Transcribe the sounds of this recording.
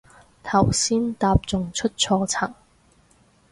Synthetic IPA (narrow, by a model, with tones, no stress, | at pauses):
t̪ʰɐ˨˩wsiː˥nt̪aː˧p̚t͡sʊ˨ŋt͡ʃʰɵ˥t̚t͡sʰɔː˧t͡sʰɐ˨˩ŋ